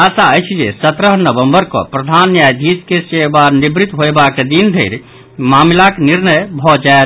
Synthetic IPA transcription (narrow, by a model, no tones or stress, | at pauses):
asaəjt͡ʃʰid͡ʒḛsət̪ɾəɦnəbəmbəɾkɔ̰pɾəd̪ʱanjajd̪ʱiskesebanibɾit̪ɦoebaked̪ind̪ʱeɪɾ | mamlakniɾnəjbʱɔd͡ʒae